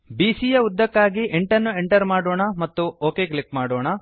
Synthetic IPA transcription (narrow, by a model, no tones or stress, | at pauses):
biːsijɐud̪ːɐkːaːɡiʔeɳʈɐnːueɳʈɐɾmaːɽoːɳɐmɐt̪ːuoːke̞ːklikmaːɽoːɳɐ